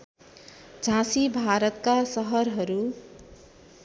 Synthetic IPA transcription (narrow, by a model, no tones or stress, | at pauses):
d͡zʱãsibʱaɾʌt̪kasʌɦʌɾɦʌɾu